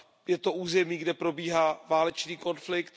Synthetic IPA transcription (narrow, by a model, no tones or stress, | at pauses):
jɛt̪o̞ʔuːzɛmiːɡdɛpɾo̞biːɦaːvaːlɛt͡ʃniːko̞nflɪkt̪